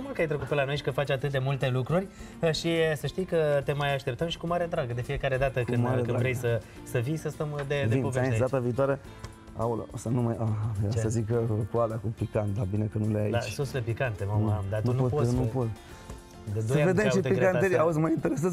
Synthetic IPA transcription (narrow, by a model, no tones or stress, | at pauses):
mulkajt̪ɾekut̪pe̞lano̞jʃikəfat͡ʃat̪ɨt̪̚d̪e̞mult̪e̞lukɾurʲ | əʃisəʃt̪ijkət̪e̞majaʃt̪e̞p̚t̪əmʃi̥kumaɾed̪ɾaɡəd̪e̞fie̞kaɾe̞d̪at̪əkɨnmaɾek̪ɨnɾvɾe̞jsə | səvijsəst̪əmd̪e̞veipoveaed̪at̪aviːt̪oaɾe | a̰wlosanumajaɦaesəzikəkuad̪akupikant̪̚d̪abinekənuleaid̪at͡ʃsoslepikant̪emamamd̪aunoponupot̪ | d̪ed̪oəjaved̪emaʃiepiɡɾeaneɾiauzʲmajint̪eɾes̬əz